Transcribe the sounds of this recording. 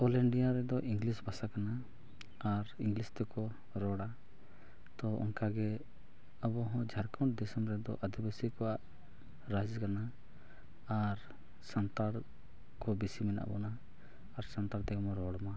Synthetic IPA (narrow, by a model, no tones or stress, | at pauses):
ɔlɛɳɖijaɾɛd̪ɔʔiŋɡlisbʱasakana | aɾĩŋɡlist̪ɛkɔ | ɾɔɽa | t̪ɔɔ̰nkaɡɛ | əbɔɦɔ̃d͡ʒʱaɾkawɳʈ̚d̪ɛsɔmɾɛd̪ɔ̰ʔad̪ibasikɔwaʔ | ɾad͡ʒkana | aɾ | sant̪aɽ | kɔbisimɛnʔa̰bɔnaː | ɾsant̪aɽt̪ɛkɔmɔɾɔɽma